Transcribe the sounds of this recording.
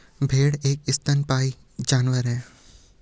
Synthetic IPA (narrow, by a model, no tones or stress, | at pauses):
bʱeːɽeːkɪst̪ənpaːi | d͡ʒaːnʋəɾɦɛ̃ː